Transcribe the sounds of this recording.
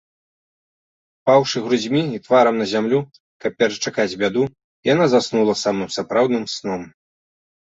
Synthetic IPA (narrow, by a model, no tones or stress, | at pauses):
pawʂɨɣɾuzʲmʲiit̪vaɾɐmnɐzʲamlʲu | kɐp̚ːʲɛɾɐt͡ʂakad͡zʲbʲad̪u | janazasnulˠɐsamɨmsapɾawd̪nɨmsnɔm